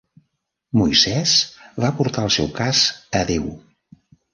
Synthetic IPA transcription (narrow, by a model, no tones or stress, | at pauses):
mujzɛzvapuɾt̪aəlˠsɛ̰wkazəðew